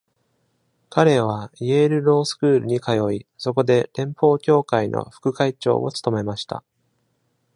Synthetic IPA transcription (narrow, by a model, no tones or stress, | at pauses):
kaɾe̞β̞aieɾɯ̟ɾo̞ːsɨ̥kɯ̟ːɾɯ̟ɲ̟ikʰajo̞iso̞k̬o̞d̪e̞ɾẽ̞mpo̞ːkʲo̞ːkaino̰ɸɯ̥kɯ̟kait͡ɕo̞̰ːo̞̰t͡sɨ̥t̪o̞me̞maɕi̥t̪a̰